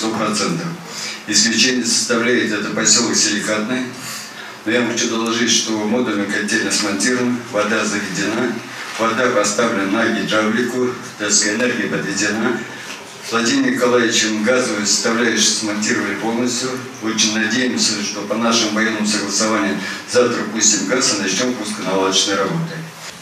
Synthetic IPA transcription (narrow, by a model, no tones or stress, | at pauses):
t̪opɾɐt̪sɛnt̪əf | ɪsklʲɪt͡ɕenʲɪjəsə̥st̪ɐvlʲæjɪt̪ɛt̪əpɐsʲo̞lˠəksʲɪlʲɪkat̪nɨj | nojamxɐt͡ɕud̪ɐlˠɐʐɨtʲʂt̪o̞mo̞d̪ʊlʲɪkɐdʲːelʲnəsmɐnʲtʲiɾvənəvɐd̪azəvʲɪdʲɪna | vɐd̪apɐst̪avlʲɪnnaɡʲɪt̪ɾablʲɪkʊ | d̪askəjɪnerɡʲɪjəpəd̪vʲɪdʲɪna | vlˠɐdʲimʲɪkɐlˠavʲɪt͡ɕɪmɡazəvzə̥st̪ɐvlʲæjɪʂsmɐnʲtʲiɾəvəlʲpo̞lˠnəsʲtʲjʊ | o̞t͡ɕɪnʲnɐdʲejɪmsʲəʂt̪o̞pɐnaʂɨmvɐjenːəmʊsəɡlˠəsɐvanʲɪjəzaft̪ɾəpusʲtʲɪmɡasɐnɐt͡ɕnʲompuskənɐlˠad̪ət͡ɕnəjrɐbo̞t̪ɨ